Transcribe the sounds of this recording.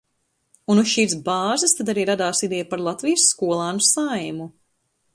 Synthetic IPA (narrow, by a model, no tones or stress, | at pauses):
unusʃiːɾsbaːzɨst̪ad̪aɾiːɾad̪aːsid̪ɛjpaɾlˠat̪vijsːkuɔlˠaːnusajmu